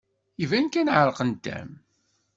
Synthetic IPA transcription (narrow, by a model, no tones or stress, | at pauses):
ivænkænʕəɾˤqənd̪æ̰m